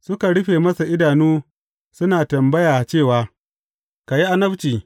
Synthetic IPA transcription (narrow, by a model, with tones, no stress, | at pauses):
sʊ˦ka˨ɽʊ˦ɸeː˨mɐ˦sa˨ʔɪ˦daː˨nuː˦ | sʊ˦naː˨tɐ˨mbɐ˦jaː˨t͡ʃeː˦˨waː˨ | ka˨ji˦ʔa˦nɐ˦ɸt͡ʃiː˨